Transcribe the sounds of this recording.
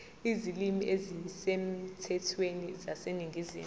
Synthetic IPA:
izilimiʔezisem̩tʰɛtʰwenizaseniŋɡʱizḭːm

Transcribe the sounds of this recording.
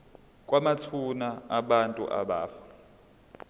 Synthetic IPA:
k̬ʼwamat͡sʰunaːɓantʼṵʔa̰ɓa̰ːfḁ

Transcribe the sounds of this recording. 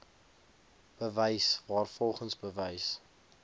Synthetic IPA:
b̥əvəjsvɑːrfɔlˠχənsbəvəjs

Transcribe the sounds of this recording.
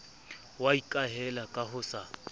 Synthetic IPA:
waikʼaɦɛlakʼahʊsa

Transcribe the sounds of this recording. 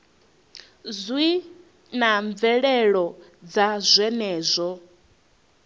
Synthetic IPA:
zwi | naɱb̪vɛɺɛɺɔd͡zazʷɛnɛːzʷɔ

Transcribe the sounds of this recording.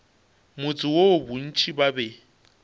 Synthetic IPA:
mʊt͡sʼɪwobʊn̩t͡ʃʰʼibabɛ

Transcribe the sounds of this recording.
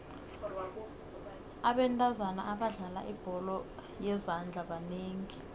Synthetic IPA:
aɓɛntʼazana̰ʔaɓaɮala̰ʔib̥ʱɔlɔ | jɛzand͡ɮʱaɓaneːŋi

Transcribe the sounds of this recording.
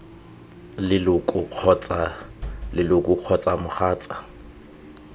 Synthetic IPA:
lɪlʊkʼʊq͡χʰɔt͡sa | lɪlʊkʼʊq͡χʰɔt͡sʼamʊχaːt͡sʼa

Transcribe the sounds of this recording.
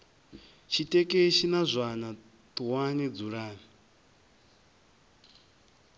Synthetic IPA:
t͡ʃʰitʼɛkʼeʃinazʷana | t̪ʼuwanid͡zuɺaːni

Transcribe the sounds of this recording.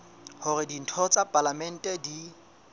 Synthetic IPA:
hʊrɪdin̩tʰɔt͡sʼapʼalamɛn̩tʼɛdi

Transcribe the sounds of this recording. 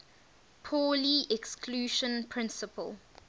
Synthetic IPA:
pʰɔːliʔɛkskʰluːʃə̃npʰɹɪ̃nsəpʰə̰lˠ

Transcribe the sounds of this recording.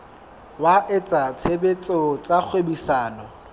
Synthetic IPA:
waʔɪt͡sʼat͡sʰebet͡sʼɔt͡sʼak͡xʰwebisaːnɔ

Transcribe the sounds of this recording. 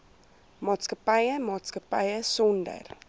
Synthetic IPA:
mɑːtskəpəjəmɑːtskəpɐjəsɔndə̰r

